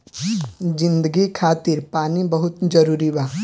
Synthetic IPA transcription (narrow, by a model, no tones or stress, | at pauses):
d͡ʒɪ̃nd̪əɡikʰaːt̪ɪɾpaːnibɐɦʊt̪d͡ʒɐɾuːɾibaː